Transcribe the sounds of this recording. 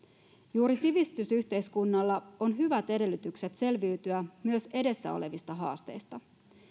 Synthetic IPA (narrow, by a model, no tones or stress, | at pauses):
juːɾisiʋist̪ysyht̪e̞jskunːɑlːɑo̞nɦyʋæt̪e̞de̞lːyt̪ykse̞t̪se̞lʋiyt̪yæmyø̞se̞de̞sːæ̰o̞̰le̞ʋist̪ɑɦɑ̰ːst̪e̞̰jst̪ɑ